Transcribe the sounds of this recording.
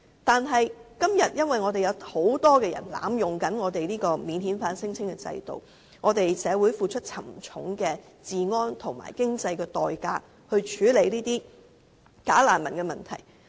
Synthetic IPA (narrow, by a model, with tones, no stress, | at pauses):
t̪aː˨nɦɐ˨jkɐ˥mjɐ˨t̚jɐ˥nwɐ˨jŋɔː˨˧t̪e˨jɐ˨˧who˨˥wt̪ɔː˥kɛː˧jɐ̰˨˩nla̰ː˨˥mjʊ˨ŋkɐ˨˥nŋɔː˨˧t̪e˨jliː˥kɔː˧miː˨˧nhiː˨˥nfaː˧nsɪ˥ŋt͡sʰɪ˥ŋkɛ˧t͡sɐ̰˧jt̪o̰˨w | ŋɔː˨˧t̪e˨jsɛː˨˧wuː˨˥jfuː˨˧t͡ʃʰɵ˥t̚t͡sʰɐ˨˩mt͡ʃʰʊ˨˥ŋkɛː˧ | t͡siː˨˩ŋɔː˥nt̪ʰʊ˨˩ŋma̰ː˨˩jkɪ˥ŋt͡sɐ˧jkɛː˧t̪ɔː˨˩jkaː˧ | hɵ˧ɥt͡ʃʰyː˨˥le˨˧jliː˥t̪iː˥ | kaː˨˥laː˨˩nmɐ˨˩nkɛː˧mɐ˨nt̪ʰɐ̰˨˩j